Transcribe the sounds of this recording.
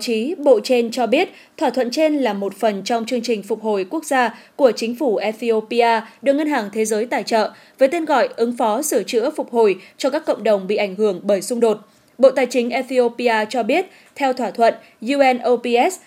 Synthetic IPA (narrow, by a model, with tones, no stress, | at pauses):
t͡ɕi˨˦ɓo̰˧˨t͡ɕe˧nt͡ɕɔ˧ɓi˦˥ət̚ | t̪ʰwaː˧˩t̪ʰwə̰˧˨nt͡ɕe˧nlaː˨˩mo˨˩t̚fə˨˩nt͡ɕɔ˧wŋ͡mt͡ɕɨ˧əŋt͡ɕï˨˩ŋ̟fʊ˨˩k͡p̚ho˨˩jku˦˥ək̚zaː˧ku˧˩ət͡ɕï˨˦ŋ̟fu˧˩ʔɛ˧t̪i˧o˧pi˧ʔaː˧ɗɨ˨˩ək̚ŋə˧nɦaː˨˩ŋt̪ʰe˨˦zəː˨˦jt̪a̰ː˧˨˩jt͡ɕə̰ː˧˨ | vəː˨˦jt̪e˧nɣɔ̰˧˨jʔɨ˨˦ŋfɔ˨˦sɨ˧˩ət͡ɕɨ̰˧˥əfʊ˨˩k͡p̚ho˨˩jt͡ɕɔ˧kaː˦˥kːə̰˧˨wŋ͡mɗə˨˩wŋ͡mɓḭ˧˨ʔa˧˩jŋ̟hɨ˧˩əŋɓəː˧˩jsʊ˧ŋ͡mɗo˨˩t̚ | ɓo̰˧˨t̪aː˨˩jt͡ɕï˨˦ŋ̟ʔɛ˧t̪i˧o˧pi˧aː˧t͡ɕɔ˧ɓi˦˥ət̚ | t̪ʰɛ˧wt̪ʰwaː˧˩t̪ʰwə̰˧˨n | zu˧ʔɛ˧nʔo˧pi˧ʔɛ˦˥s